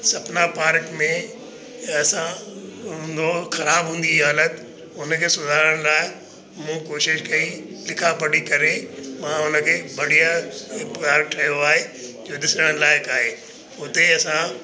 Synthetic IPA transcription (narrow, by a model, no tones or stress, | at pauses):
sɐpnapaːɾkmẽ | ɐsãɦʊ̃nd̪oxɐɾaːbɦũːn̆d̪iɦaːlət̪ | ʊnəkʰeːsʊd̪ʱaːɾəɽ̃laːɪ | mũkoːʃɪʃkɐĩlɪkʰapɐɽikɐɾẽmãːʊnə̆kʰeːbɐɽ̤ijapaːɾk̚ʈʰɐjoaːɦed͡ʑoːd̪ɪsə̃ɽ̃laːɪkaːɦe | ʊt̪eɐsã